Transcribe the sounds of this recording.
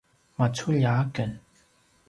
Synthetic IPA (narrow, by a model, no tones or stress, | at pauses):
mat͡sʰuʎakən